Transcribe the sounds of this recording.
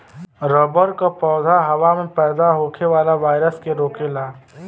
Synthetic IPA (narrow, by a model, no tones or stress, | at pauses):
ɾəbəɾkapɔːd̪ʱaɦɐʋamẽpɛːd̪aɦoːkʰeʋaːlaʋaːɪɾəskeɾoːkelaː